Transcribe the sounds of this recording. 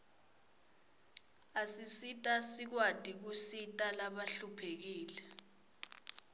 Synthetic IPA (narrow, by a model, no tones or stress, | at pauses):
asisitʼasik̬wad̥ʱik̬usitʼalaɓaɬupʰek̬iːlɛ